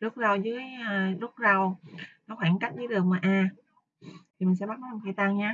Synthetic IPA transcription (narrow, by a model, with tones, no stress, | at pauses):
zu˦˥t̚za˨˩wzɨ˨˦əjzʊ˦˥t̚za˨˩wnɔ˨˦xwaː˧˩nka˦˥k̟̚ɗəː˨˦jɗɨ˨˩ək̚maː˨˩ʔaː˧˩ | t̪ʰi˨˩mï˨˩ŋ̟sɛ̰˧˥ɓa˦˥kːa˨˩kʰi˧˩t̪a˧ŋɲaː˧